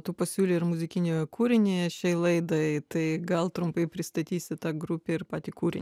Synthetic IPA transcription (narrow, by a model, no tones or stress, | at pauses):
t̪uːpɐsʲuːlʲeːɪɾmʊzʲɪkʲɪnʲoːkʰuːɾʲɪnʲeːʃʲɛɪlˠɐɪd̪ɐɪt̪ɐɪɡɐlˠt̪ɾʊmpɐɪpʲɾʲɪst̪ɐt̪ʲiːsʲɪt̪ɑːɡɾʊpʲeːɪɾpɑːt̪ʲiːkuːɾʲɪ̰nʲ